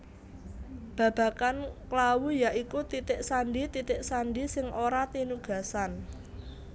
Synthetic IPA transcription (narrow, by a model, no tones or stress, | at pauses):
b̥ä̤b̥a̤kanklawujaʔikut̪it̪ɪʔsaɳɖit̪it̪ɪʔsaɳɖisɪŋoɾat̪inuɡ̥a̤san